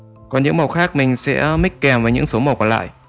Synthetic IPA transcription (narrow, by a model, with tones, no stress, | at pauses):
kɔ˨˩nɲɨ̰˧˥ŋmə˨˩wxaː˦˥k̚mï˨˩ŋ̟sɛ̰˧˥mï˦˥k̟̚kɛ˨˩mvaː˨˦ɲɨ̰˧˥ŋso˨˦m˨˩wkɔ˨˧˩la̰ː˧˨j